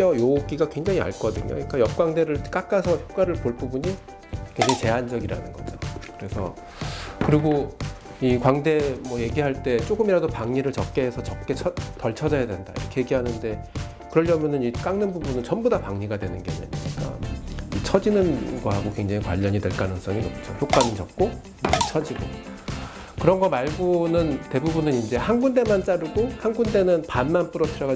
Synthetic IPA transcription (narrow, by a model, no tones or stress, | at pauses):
ʌjok͈iɡakwe̞ŋd͡ʑaŋia̰ɭk͈ʌdɯɲo̰uɲik͈ajʌp̚k͈waŋde̞ɾɯɭk͈ak͈asʰʌçjop̚k͈waɾɯɭpoɭp͈ubuɲi | kwe̞ŋd͡ʑaŋit͡ɕe̞ɦand͡ʑʌɡiɾa̰nɯ̰nɡʌ̰d͡ʑo̰kɯɾe̞sʰʌ̰ | kɯɾiɡo | ikwaŋde̞mwʌje̞ɡiɦaɭt͈e̞t͡ɕ͈oɡɯmiɾadopaŋɲiɾɯɭt͡ɕʌp̚k͈e̞ɦesʰʌt͡ɕʌk̚k͈e̞t͡ɕʰʌtʌɭt͡ɕʰʌd͡ʑʌjadwe̞ndaḭɾʌkʰe̞je̞ɡiɦanɯnde̞ | kɯɾʌʎjʌmjʌnɯnik͈aŋnɯnbubunɯnt͡ɕʌnbudapaŋɲiɡadwenɯnɡe̞a̰ɲa̰ɲiɲik͈a̰it͡ɕʰʌd͡ʑinɯnɡoɦaɡokwe̞ŋd͡ʑaŋikwa̰ʎːʌɲidwe̞ɭk͈anɯns͈ʌŋiʌ̰p̚t͡ɕ͈o̰çjok͈anɯnt͡ɕʌp̚k͈o | t͡ɕʰʌd͡ʑiɡo̰ | kɯɾʌnɡʌmaɭɡonɯnte̞bubunɯnind͡ʑe̞hanɡunde̞mant͡ɕ͈aɾɯɡohanɡunde̞nɯnpanmanp͈ɯɾʌpʰiɾjʌɡa